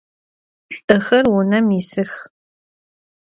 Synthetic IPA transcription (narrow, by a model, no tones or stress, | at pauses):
ɬʼɨxɐrwʊnɐmisɨx